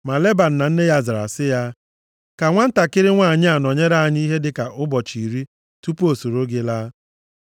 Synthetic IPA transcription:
ma˨le˦ba˨n̩˨na˨n̩˦ne˦ja˦za˨ɾa̰˨sɪ˦ja˦ | ka˨ŋʷa˦n̩˦ta˨kɪ˦ɾɪ˦ŋʷa˦˨ɲɪ˦a˨nɔ˨ɲe˦ɾa˦a˨ɲ˦i˦ɦe˦dɪ˨ka˨ʔʊ˦bɔ˨t͡ʃi˨ɾi˦ | tu˦po˨so˨ɾo˦ɡe˦laː˦

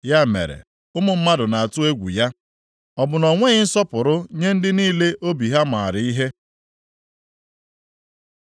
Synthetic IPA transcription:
ja˦˨mḛ˨ɾḛ˨ | ʊ˦mʊ˨m̩˦ma˦dʊ˨na˨a˨tʊ˦e˦ɡʷṵ˨ja˦ | ɔ˨bʊ˨nɔ˨ŋʷe˦ɣɪ˦n̩˦sɔ˦pʊ˨ɾʊ˦ɲe˦n̩˦dɪ˦niː˦le˦ʔo˦bi˨ɦa˦ma˨a˨ɾɪ˨i˦ɦe˦

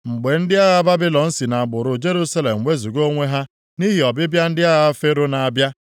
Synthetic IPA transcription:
ŋ͡m̩˨ɡ͡be˨n̩˦dɪ˦a˦ɣa˦ba˦bi˦lɔ˨n̩˦si˨na˨ɡ͡bʊ˨ɾʊ˨d͡ʒe˦ɾu˦sa˦le˨m̩˨we˦zu˨ɡo˦ŋʷe˦ɦa˦ | ni˦ɦi˨ɔ˨bɪ˦bja˦n̩˦dɪ˦a˦ɣa˦fe˦ɾʊ˦na˨a˨bja˦

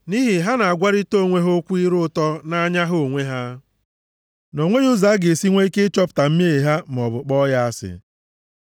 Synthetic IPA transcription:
ni˦ɦi˨ɦa˦na˨a˨ɡʷa˦ɾɪ˦to˦˨ŋʷe˦ɦo˦kʷu˦i˦ɾʊ˦tɔ˦na˦ɲa˦ɦo˦˨ŋʷe˦ɦa˦ | no˨ŋʷe˦ju˦za˨˦ɡe˨si˦ŋʷe˦i˦ke˦t͡ʃɔ˦pta˨m̩˦m˦e˦˨ɦa˦m˨ɔ˨bʊ˨k͡pɔ˦ja˦a˦sɪ̰˨

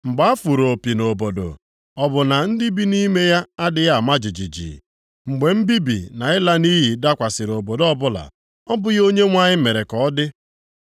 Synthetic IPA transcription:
ŋ͡m̩˨ɡ͡ba˦a˦fu˨ɾo˨pi˨no˨bo˨do̰˨ | ɔ˦bʊ˨na˨n̩˦di˦bi˦ni˦me˦ja˦a˦dɪ˨ja˦˨ma˦d͡ʒi˨d͡ʒi˨d͡ʒḭː˨ | ŋ͡m̩˨ɡ͡be˨m̩˦bi˦bḭ˨na˨ɪ˦la˦ni˦ɦi˨da˦kʷa˨sɪ˨ɾo˨bo˨dɔ˦bʊ˦la̰˨ | ɔ˦bʊ˦jo˦ɲe˦ŋʷa˦ɲɪ˦me˨ɾe˨kɔ˨˦dɪ˦

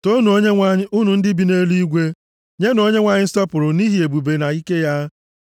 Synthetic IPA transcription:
to˦nu˨o˦ɲe˦ŋʷa˦ɲɪ˦ʔu˦nu˨n̩˦dɪ˦bi˨ne˦li˦i˦ɡʷe˦ | ɲe˦no˦ɲe˦ŋʷa˦ɲɪ˦stɔ˦pʊ˨ɾʊ˨ni˦ɦi˨e˨bu˨be˨na˨i˦ke˦ja˦

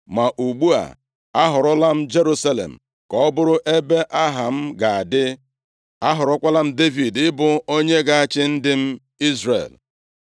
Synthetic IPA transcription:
ma˨ʔu˨ɡ͡bu˦a̰˨ | a˦ɦʊ˨ɾʊ˦la˦m̩˦d͡ʒe˦ɾu˦sa˦lḛ˨m̩˨ | kɔ˦ɔ˦bʊ˦ɾʊ˦ʔe˦be˦ʔa˦ɦa˨m̩˦ɡa˨a˨dɪ˦ | a˦ɦʊ˨ɾʊ˦kʷa˦la˦m̩˦de˦vi˨dɪ˦bʊ˨o˦ɲe˦ɡa˨a˨t͡ʃɪ˦n̩˦dɪ˦m̩˦ | i˦zrḛ˨l

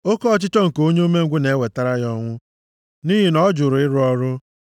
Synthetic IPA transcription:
o˦kɔ˦ɔ˦˨t͡ʃɪ˦tɔ˦ŋ̩˨ko˦ɲe˦o˦me˦ŋ̩˦ɡʷʊ˦ne˨˦we˨ta˦ɾa˦jɔ˦ŋʷʊ˦ | ni˦ɦi˦nɔ˦d͡ʒʊ˨ɾʊ˨ɪ˦ɾʊ˦ɔ˦ɾʊ˦

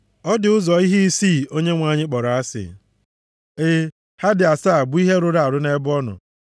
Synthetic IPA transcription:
ɔ˦dɪ˨ʊ˦zɔ˨i˦ɦi˦i˦siː˦˨o˦ɲe˦ŋʷa˨ɲɪ˦k͡pɔ˨ɾa˨a˦sɪ̰˨ | ɪ˦ | ha˦dɪ˨a˨saː˦˨bʊ˦i˦ɦe˦ɾʊ˦ɾa˨a˨ɾʊ˦ne˦bɔ˦nʊ̰˨

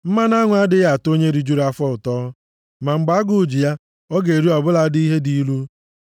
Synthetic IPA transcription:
m̩˦ma˦na˦ŋʷ˨a˦dɪ˦ɣa˨to˦ɲe˦ɾi˨d͡ʒu˦ɾa˦fɔ˦ʊ˨tɔː˦ | ma˨ŋ͡m̩˨ɡ͡ba˨˦a˦ɡʊ˨d͡ʒi˨ja˦ | ɔ˦ɡe˨ɾi˦ɔ˨bʊ˦la˦di˦ɦe˦di˨˦lu˦

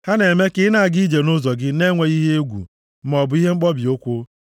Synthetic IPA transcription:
ha˦ne˨me˦kɪ˨˦na˦˨a˨ɡi˦d͡ʒe˨no˦zɔ˨ɡɪ˦ne˦ŋʷe˨ɣi˦ɦe˦e˦ɡʷṵ˨ | m̩˦mɔ˨bʊ˨i˦ɦe˦ŋ͡m̩˦k͡pɔ˦bi˨o˦kʷo˦

